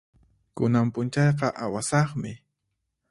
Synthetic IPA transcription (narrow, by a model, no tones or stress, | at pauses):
kʊnampʊnt͡ʃɑjqɑʔawasɑχmɪ